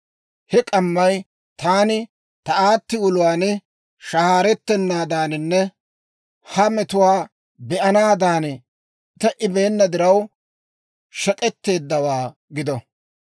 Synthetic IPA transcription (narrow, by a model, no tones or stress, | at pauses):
hɛkʼɐmːɐj | t̪aːnɪ | t̪ɐaːt̪ːɪʊlʊwaːn | ʃɐhaːɾɛt̪ːɛnːaːd̪aːnɪnːɛ | hɐmɛt̪ʊwaː | bɛʔɐnaːd̪aːn | t̪ːɛʔɪbe̞ːnːɐd̪ɪɾɐw | ʃɛkʼɛt̪ːe̞ːd̪ːɐwaː | ɡɪd̪ɔ